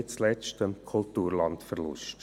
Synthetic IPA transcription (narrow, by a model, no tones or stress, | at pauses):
ɪt͡slɛstəmkʰʊlt̪uːɾlɑntfəɾlʊ̰st